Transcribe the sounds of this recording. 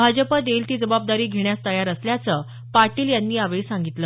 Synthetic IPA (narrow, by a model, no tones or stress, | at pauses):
bʱad͡ʑəpəd̪elt̪iːd͡zəbab̚d̪aɾiːɡʱeɳjast̪əjaɾəsljat͡səː | paɾʈiːljanːiːaʋesãŋɡit̪lə